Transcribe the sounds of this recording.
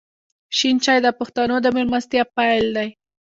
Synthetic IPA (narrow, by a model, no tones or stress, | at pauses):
ʃint͡ʃɑjd̪əpʊxt̪anod̪əmɪlmast̪japajld̪aj